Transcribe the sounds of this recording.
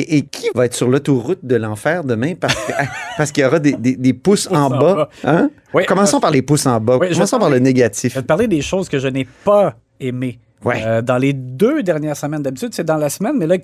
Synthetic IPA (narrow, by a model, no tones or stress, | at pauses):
eʔːkʲʰivaɛːt̪χsyʁlot̪oʁʊt̪̚d̪əlɑ̃fɛːʁd̪əmɛ̃paʁskpaʁsəkilɔʁɑd̪ed̪ed̪epʊsɑ̃baã | wikɔmɑ̃sɔ̃paʁlepʊsɑ̃bakwɔmɑ̃sɔ̃paʁləneɡat̪ɪfɛd̪əpaʁled̪eʃoːz̥kəʒənepa | eme | wid̪ɑ̃led̪ød̪ɛʁnjɛːʁsəmɛ̃nd̪abit̪yd̪sed̪ɑ̃lasmɛnmɛla